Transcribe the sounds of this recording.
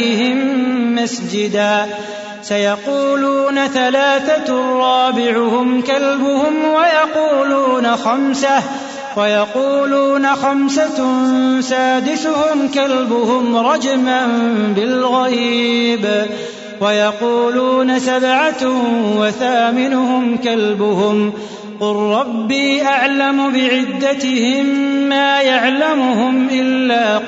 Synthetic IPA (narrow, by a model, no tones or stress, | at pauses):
hɪmːasd͡ʒɪd̪aː | sajɑquːluːnaθalaːθarˤːɑːbɪʕʊhʊmkalbʊhʊmwajɑquːluːnaxamsa | wajɑquːluːnaxamsa | saːd̪ɪsʊhʊmkalbʊhʊmɾˤɑd͡ʒmanbɪlɣaɾiːb | wajɑquːluːnasabʕawaθaːmɪnʊhʊmkalbʊhʊm | qʊlːɑbːiːʔaʕlamʊbɪʕɪd̪ːat̪ɪhɪmːaːjaʕlamʊhʊmʔɪlːaː